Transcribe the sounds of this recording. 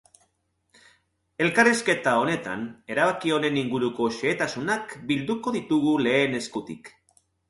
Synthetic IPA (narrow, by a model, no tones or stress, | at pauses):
e̞lkariske̞t̪ao̞ne̞t̪a̰ne̞ɾaβ̞akio̞ne̞niŋɡuɾuko̞ʃeːt̪asunakbild̪uko̞ðit̪uɣule̞ːne̞skut̪ḭk